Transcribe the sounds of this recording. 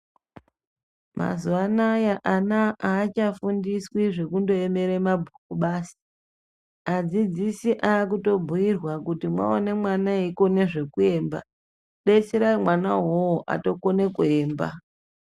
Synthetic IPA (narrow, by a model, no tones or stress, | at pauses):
mʔa̰zuwanajaʔanaʔaːt͡ʃafundiswiʐe̞kundo̞e̞me̞ɾemabʱukuɓaːsi̥ | ad͡zid͡zisiʔaːk̬uto̞bʱujirwakutimwa̰one̞mwanaiko̞ne̞ʐe̞kue̞ːmba̰ | ɗesiɾaimwanaɦowoʔa̰to̞kone̞kueːmba̰